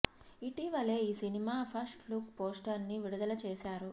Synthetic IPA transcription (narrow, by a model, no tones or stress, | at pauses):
iʈiʋɐle̞ːiːsinimaːpʰɐsʈlukpoːsʈɐɾnːiʋiɽud̪ɐlɐt͡ʃeːsaːɾu